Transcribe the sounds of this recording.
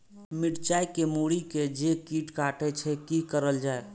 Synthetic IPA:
miʈt͡ʃaikemuɽiked͡ʒekiʈkaʈɛt͡ʃʰɛkikəɾəld͡ʒae

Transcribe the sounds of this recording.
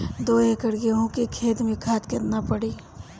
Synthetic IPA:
d̪oːekəɽɡeɦõkekʰeːd̪mẽkʰaːt̪kɐɾnapəɽiː

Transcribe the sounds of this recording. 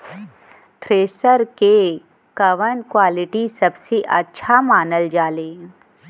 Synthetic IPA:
t̪ʰɾeːsəɾke | kɐʋənkwaːlɪʈisɐbseʔɐtːʃʰamaːnəld͡ʒaːleː

